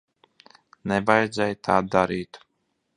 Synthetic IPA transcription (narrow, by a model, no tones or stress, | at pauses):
nɛvajd̪zɛjt̪ʰaːd̪aɾiːt̪